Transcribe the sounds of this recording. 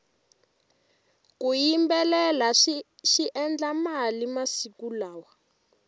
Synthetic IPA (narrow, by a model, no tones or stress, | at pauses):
kujimbɛlɛlaʃiʔɛnd͡ɮamalimasikulaːwa